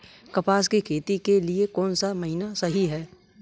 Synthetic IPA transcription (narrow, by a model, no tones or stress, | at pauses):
kɐpaːskikʰeːt̪ikeliekɔːnsamɐɦinasɐɦiɦɛː